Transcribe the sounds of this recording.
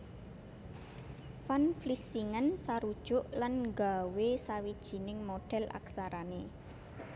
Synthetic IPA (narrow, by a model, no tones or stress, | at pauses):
fanflisiŋansaɾud̥ʒ̥ʊʔlanŋɡawesawid̥ʒ̥i̤nɪŋmoɖ̥ɛ̤lʔa̰ksaɾane